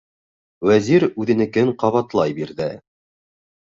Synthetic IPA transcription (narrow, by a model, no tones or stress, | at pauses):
wæziɾʉðɘ̆nɘ̆kɘɴqɑβɑt̪lˠɑjbiɾðɘ